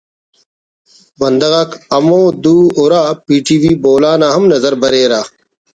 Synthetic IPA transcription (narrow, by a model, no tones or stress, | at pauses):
bɐnd̪ɐɣaːkɐmoːd̪uːoɾaːpiːʈiːwiːboːlaːnaːɦɐmnɐzɐɾbɐɾeːɾaː